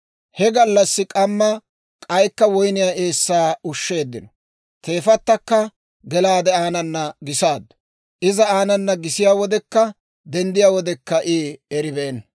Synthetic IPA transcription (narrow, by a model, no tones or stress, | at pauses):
hɛɡɐlːɐsːɪkʼɐmːɐ | kʼɐjkːɐwɔjnɪjaʔe̞ːsːaːʊʃːe̞ːd̪ːɪnɔ̥ | t̪e̞ːfɐt̪ːɐkːɐ | ɡɛlaːd̪ɛaːnɐnːɐɡɪsaːd̪ːʊ̥ | ʔɪzɐaːnɐnːɐɡɪsɪjaːwɔd̪ɛkːɐ | d̪ɛnd̪ɪjaːwɔd̪ɛkːɐʔɪːɛɾɪbeːn